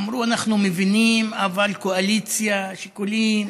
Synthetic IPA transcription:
mɾuanaχnumevinimavalkoalit͡sjaʃikolim

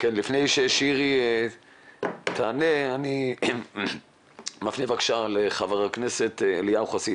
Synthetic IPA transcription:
kenlifnejʃeʃiʁi | t̪ʰaːneani | mafnevakʃaleχavaʁakneset̪elijauχasit

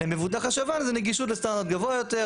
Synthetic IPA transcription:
emevud̪aχaʃavanzɛneɡiʃulest̪and̪aʁt̪̚ɡavoajot̪e

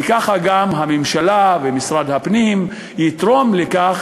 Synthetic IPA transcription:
ekaχaɡamɦamemʃalavemisʁad̪hapnim | jit̪ʁo̞mlekaχ

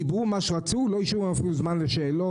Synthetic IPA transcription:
ibʁumaʃeʁat͡sulojiʃumafinuzmanleʃeːlo

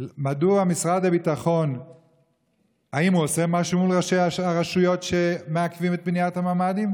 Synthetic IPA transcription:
maduamisʁad̪abitaχo̞n | haimhuose̞maʃumulʁaʃeaaʁaʃujo̞tʃe̞meakvimet̪̚bnijat̪hamaːmadim

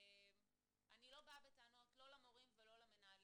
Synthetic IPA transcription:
em | anilo̞baabetanoatlo̞lamoʁimvelo̞lamenaali

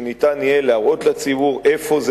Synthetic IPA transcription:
nitʼaniɛlaɣɔtʰlat͡siβuɣɛfoz

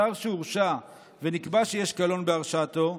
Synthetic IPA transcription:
aʁʃeuʁʃa | ve̞nikbaʃejeʃkalo̞nbeaʁʃat̪o̞

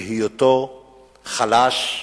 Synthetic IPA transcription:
hijoto | χalaʃ

